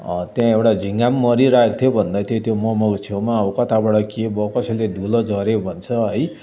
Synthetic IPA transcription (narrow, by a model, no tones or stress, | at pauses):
t̪jãewʈad͡zʱiŋɡamːʌɾiɾaekt̪ʰjobʱʌnd̪at̪ʰjot̪jomʌmʌkt͡sʰewmaːwkʌt̪ʰabaɽʌkebʌkʌsʌjled̪ʱulʌd͡zʌɾebʱʌnt͡sʰʌɦʌj